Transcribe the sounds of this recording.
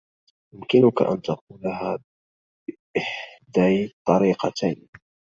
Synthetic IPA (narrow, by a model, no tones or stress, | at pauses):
jʊmkɪnʊka̰ʔa̰nt̪aq̚uːlaɦaː | ʔɪħd̪ajt̪ˤːɑɾiːqɑt̪ajn